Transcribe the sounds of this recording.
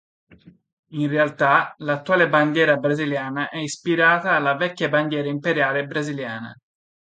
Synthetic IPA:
inrealt̪alat̪ːuaːleband̪jɛːɾabɾaziljaːnaʔɛispiɾaːt̪aːlːavɛkːaband̪jɛːɾaimpeɾjaːlebɾaziljaːna̰

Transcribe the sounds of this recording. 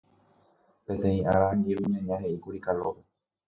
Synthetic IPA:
pẽ̞t̪ẽ̞ĩʔa̰ɾãɲeβiɲãɲãhe̞ʔikuɾikalope

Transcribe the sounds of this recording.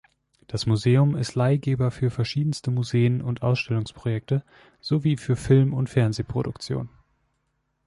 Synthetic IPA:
d̥asmuzeːʊmɪstlaɪɡeːbɐfyːɐfɛɐʃiːdn̩stəmuzeːənʊntʔa̰ʊsʃtɛlʊŋspʁ̥ojɛk̚tə | z̥oviːfyːɐfɪlmʊntfɛɐnzeːpʁ̥o̰dʊkt͡sjo̰ːn

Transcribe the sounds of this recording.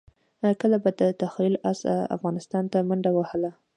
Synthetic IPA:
kəlabad̪ət̪axwilasa̰fɣɑnɪst̪ɑnt̪amaɳɖawəhla

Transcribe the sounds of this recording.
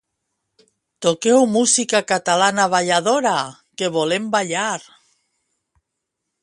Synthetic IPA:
t̪okewmusikakat̪alanaβaʎaðoɾa | keβolembaʎaɾ

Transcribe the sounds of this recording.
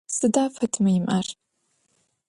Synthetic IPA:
sɨdaːfɐtʰmɐjɪmʔɐr

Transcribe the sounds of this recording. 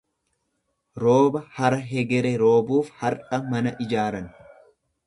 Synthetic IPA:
ɾo̞ːbɐhɐɾɐɦɛɡɛɾɛɾo̞ːbuːfhɐɾʔɐmɐnɐʔɪd͡ʒaːɾɐn

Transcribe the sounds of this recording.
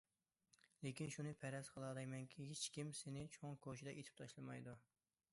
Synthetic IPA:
lekʲinʃunɨpʰɛɾɛzqʰəlˠɑd̪ɛjmɛŋkʲʰiɦet͡ʃkʲimsenɪt͡ʃʰoŋkʰoʃ̬id̪ɛʔet̪ʰɪ̥p̚t̪ʰɑʃlˠɨmɑjd̪u

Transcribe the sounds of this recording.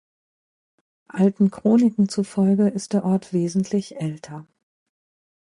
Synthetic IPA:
ʔaltn̩kʁ̥oːnɪkŋ̩t͡sufɔlɡəɪst̚d̥eːɐʔɔɐtv̥eːzn̩tʰlɪçʔɛltʰɐ

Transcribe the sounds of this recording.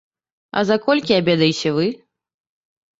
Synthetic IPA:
ɐ̰zakɔlʲkʲiabʲɛd̪ɐjit͡sʲɛvɨ

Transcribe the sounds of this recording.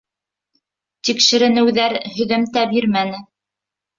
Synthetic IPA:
t̪ikʃɘ̆ɾɘ̆nɘ̆wðæɾhɵ̆ðɘmt̪æbiɾmænɘ

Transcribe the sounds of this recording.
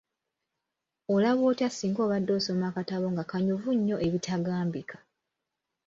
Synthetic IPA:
olaβoːtjasiːŋɡo̞ːβadːo̞ːso̞maːkataβo̞ŋɡakaɲuvuɲːo̞ʔe̞βitʰaɡaːmbikʰḁ

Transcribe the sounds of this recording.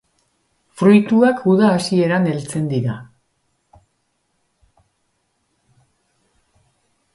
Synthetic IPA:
fɾujt̪uakuðaːsie̞ɾane̞lt͡se̞nd̪iɾa

